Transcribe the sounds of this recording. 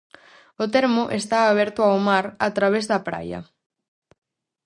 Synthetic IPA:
ot̪ɛɾmʊʔest̪aːβ̞ɛɾt̪ʊawmaɾat̪ɾaβ̞ezðɐpɾa̰jɐ̰

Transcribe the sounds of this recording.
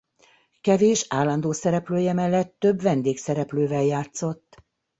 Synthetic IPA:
kɛveːʃaːlɒnd̪oːsɛɾɛpløːjɛmɛlːɛt̪ːøbvɛnd̪eːksɛɾɛpløːvɛljaːt̪so̞t̪ː

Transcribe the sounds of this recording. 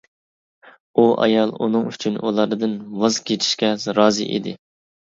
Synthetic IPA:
uʔɑ̰jɑlˠunɨŋyt͡ʃʰynulˠɑɾd̪ɨnwɑzkʲʰet͡ʃ̪ʰi̥ʃkʲɛɾɑːzɨ̰ʔḛd̪ɪ̰

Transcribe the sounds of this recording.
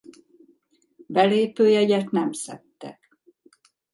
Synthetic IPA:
bɛleːpøːjɛɟɛt̪nɛmsɛt̪ːɛ̰k

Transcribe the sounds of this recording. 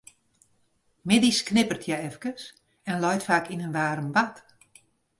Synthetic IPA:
mɪdisknɪpərtʰjɛɛfkəs | ɛnlɔjtfaːkinənʋaːɾəmʋat

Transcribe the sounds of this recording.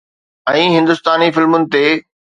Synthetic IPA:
ɛ̃ːɦɪ̃nd̪ʊst̪aːnifɪlmʊnɪ̆t̪eː

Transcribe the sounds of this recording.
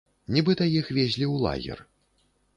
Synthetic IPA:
nʲibɨt̪ɐjixvʲezʲlʲiuwlˠa̰ɣʲɛ̰r

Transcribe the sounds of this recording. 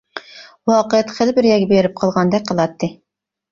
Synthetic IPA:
wɑːqəjɛt̪χɪlˠɪbɪɾjɛɡʲɛbeɾɪp̚qʰɑlˠʁɑnd̪ɛk̚ʲqʰːəlˠɑt̪ʰːɨ

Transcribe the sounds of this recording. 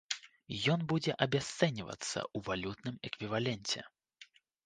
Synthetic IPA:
jɔnbud͡zʲɛʔɐbʲast̪sɛnʲivɐ̰t̪sːɐ̰ʔuvalʲut̪nɨmɛkvʲivalʲɛnʲt͡sʲɛ̰

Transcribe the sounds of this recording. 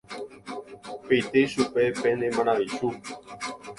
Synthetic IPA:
pejt̪eʃupepenemãnãðiʃu

